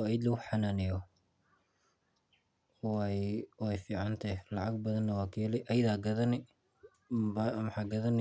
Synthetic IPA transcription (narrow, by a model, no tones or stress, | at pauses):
ɔɐjd̪lɐɣʊħɑnanɪjɔ | wɔɛjfiːʕɑnt̪ʰɐhlɐʕɑɡ̚bɐðɐnːɐwɑːkʰiːlɛʔɐjðaːɡɐðɐnɪ | bɐmħɑːɡɐðɐn